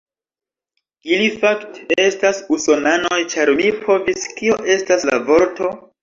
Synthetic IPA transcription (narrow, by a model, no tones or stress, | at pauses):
ilifaktee̞stasuso̞nanojt͡ʃaɾmipʰo̞viskioʔe̞stasla̰vo̞ɾto̞